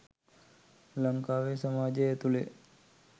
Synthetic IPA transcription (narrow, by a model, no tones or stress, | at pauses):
ləmkaʋesəmad͡ʒeet̪ule